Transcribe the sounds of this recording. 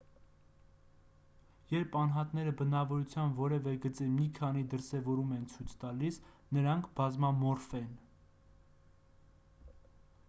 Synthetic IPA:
jɛɾpʰɑnɦɑt̪nɛɾəbənɑvɔɾut͡sʰjɑnvɔɾɛvɛɡət͡sɛmikʰɑnid̪əɾsɛvɔɾumɛnt͡sʰujt͡sʰt̪ɑlis | nəɾɑŋkʰb̥ɑzmɑmɔɾfɛn

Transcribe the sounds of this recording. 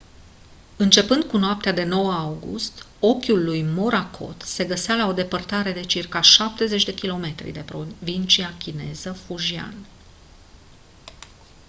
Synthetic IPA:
ɨnt͡ʃe̞pɨnd̪kunoap̚t̪ead̪e̞no̞wəawɡṵst̪ | o̞kʲulːujmo̞ɾakʰo̞̰t̪se̞ɡəsalao̞d̪e̞pərt̪aɾe̞d̪e̞t͡ʃirkaʃap̚t̪e̞ze̞t͡ʃʲd̪e̞kʲilo̞me̞t̪ɾḭd̪epɾovint͡ʃiakʲine̞̰zəfuʒia̰n

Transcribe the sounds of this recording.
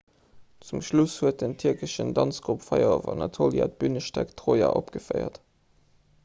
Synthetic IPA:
t͡sumʃlushuət̚dəntʰiɐkəʃəndɑnt͡sɡ̥ʁupfɑɪɐovɑnɑtʰoːlja̰t̚b̥ynəʃtæktʁoːjɑ̰ʔopɡ̥əfəɪɐ̰t

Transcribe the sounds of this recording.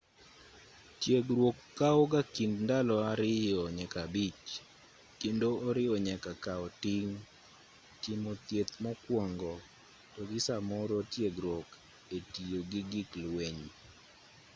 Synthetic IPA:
tjeɡɾwokːaɔɡakindndalɔaɾɪjɔɲɛkabit͡ʃ | kendoːɾɪɔɲɛkakaɔtiŋ | tɪmot̪jet̪mɔkwɔŋɡɔ | tɔɡɪsamɔɾɔtjeɡɾwok | etijoɡɪɡɪklweɲ

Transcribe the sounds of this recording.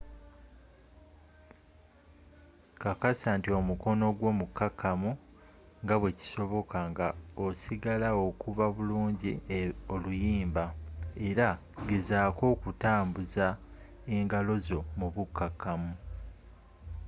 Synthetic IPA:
kakasaːntio̞muko̞no̞ɡwo̞ːmukːakʰːamu | ŋɡaβwe̞ci̥so̞βo̞kʰaŋɡao̞siɡalao̞kuβaβuluːɲɟio̞lujiːmbae̞ɾa | ɡezaːko̞ːkutaːmbuza | e̞ŋɡalo̞zo̞muβukːakːamu

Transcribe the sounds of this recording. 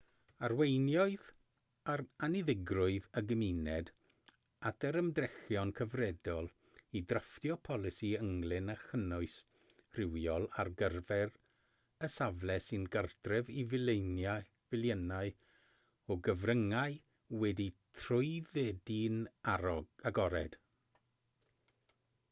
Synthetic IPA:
arwejnjɔɨð | aranɪðɪɡrʊɨðəɡəminɛd | atʰəɾəmdrɛxjɔnkʰəvrɛdɔlˠ | idraftjɔpʰɔlˠɪsiəŋlˠɪnaxənʊɨs | r̥ɪwjɔlˠarɡərvɛr | əsavlɛsɨnɡərtrɛvivɪlˠejnja | vɪlˠjənaɨ | ɔɡəvrəŋaɨ | wɛditʰrʊɨðɛdinaɔaɡɔɾɛd̥

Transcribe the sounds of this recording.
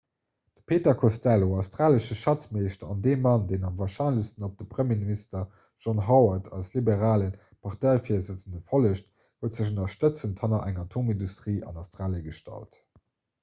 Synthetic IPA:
d̥ə̥pʰeːtɐkʰostæloɑʊstʁaːləʃəʃɑt͡smeɪʃtɐɑndeːmɑndeɪnɑmvaːɐʃɑɪnləstənop̚d̥əpχəmjeːministɐ | ʒ̥ɑnɦɑʊɐtʰɑ̰lslibeʁaːlən | pʰɑʁtɑɪfiːɐzət͡səndəfoləɕt | huətz̥əɕ̬onɐʃtət͡sənthɑnɐʔæŋɑtʰoːmindustʁiːʔɑ̰naʊstʁaːljəɡəʃtɑ̰lt

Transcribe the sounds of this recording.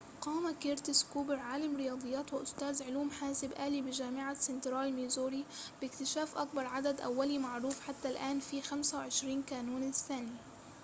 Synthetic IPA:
qɑːmakeɾt̪ɪskuːbɪɾʕaːlamɾɪjɑːd̪ˤɨjːaːt̪wɪʔʊst̪æːzʕʊluːmħaːsɪbʔæːliːbɪʒaːmɪʕasɪnt̪ɾɑːjmiːzoːɾib̥ɪkt̪ɪʃaːfʔak̚bɑɾˤʕad̪ad̪ʔa̰wːalimaʕɾuːfħat̪ːalʔaːnfiːxamsawʕɪʃɾiːnkaːnuːnɪθːaːni

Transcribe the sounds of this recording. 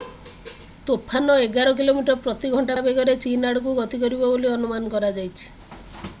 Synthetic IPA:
t̪opʰanɔeɡaɾɔk̬ilomiʈɔɾpɾɔt̪iɡʱɔɳʈabeɡɔɾet͡ʃinaɽɔk̬uɡɔt̪ikɔɾibɔboliɔnumanɔkɔɾad͡ʒajt͡ʃʰi̥

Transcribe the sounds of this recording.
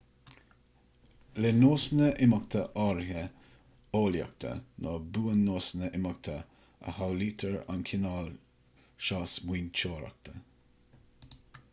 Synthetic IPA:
lɛnoːsnəʔɪmak̚t̪ʰəʔɑɹhə | oːlja̰k̚t̪ʰə̰nʔobuːənːoːsnəʔɪmak̚t̪ʰə | ə̰hawliːt̪ʰəɹa̰nkʰɪnɑːl | ʃɑːsmwiːnt͡ʃoːɾɑ̰k̚t̪ʰə

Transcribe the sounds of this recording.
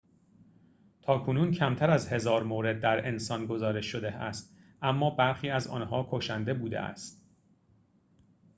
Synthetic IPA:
t̪ʰɒːkʰonuːncʰæmt̪ʰæɾæzhe̞zɒːɾmoːɾe̞d̪̚ːæɾe̞nsɒːnɡo̞zɒːɾe̞ʃːo̞d̪eæst̪ | ʔæmːɒːbæɾxiːæzɒ̰ːnɦɒːkʰoʃænd̪e̞buːd̪ḛʔæ̰st̪̚

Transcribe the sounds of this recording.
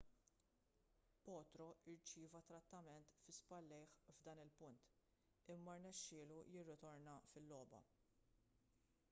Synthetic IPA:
pɔːt̪ɾɔʔɪɾt͡ʃɪːvɐt̪ːɾɐt̪ːɐmɛnt̪fɪspɐlːɛjħvd̪ɐːnɪlpʊnt̪ | ɪmːɐɾnɛʃːɪːlujɪrːɪt̪ɔɾnɐfɪlːɔːbɐ̰

